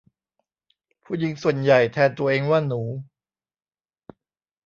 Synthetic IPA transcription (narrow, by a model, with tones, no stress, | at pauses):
pʰuː˥˩ji˨˦ŋsu˨˩ənja˨˩jt̪ʰɛː˧nt̪u˧ɐʔeː˧ŋwaː˥˩nuː˩˦